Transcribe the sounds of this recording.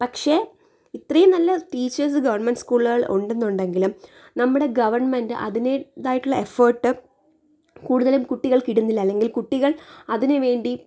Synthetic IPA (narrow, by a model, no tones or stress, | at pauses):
pɐkʂe̞ː | it̪rɐjɐmnɐlːɐʈiːt͡ɕːɐrs̬ɨɡɐʋɐrnmenɖskuːɭɣɐɭo̰ɳɖe̞nːuɳɖe̞ŋɡilum | nɐmːuɽe̞ɡɐʋɐrɳmendɨʔɐ̰ðineðaːjiʈːuɭːɐeforʈːɨ | kuːɽuðɐlumkuʈːiɣɐɭkiɽunːilːɐːlːe̞ŋɡilkuʈːiɣɐɭɐðinɨʋe̞ːɳɖi